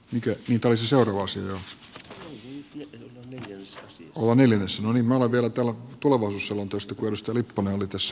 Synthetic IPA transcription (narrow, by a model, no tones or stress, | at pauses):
mikæniːt̪æoliseseurɑːʋɑɑsiɑjo | olːɑneljænesːænoniːmmæoleʋʋiælæt̪æːlt̪uleʋɑisuːsselːont̪oost̪ɑkueˑlust̪ɑlipːuneolit̪æsːæ̥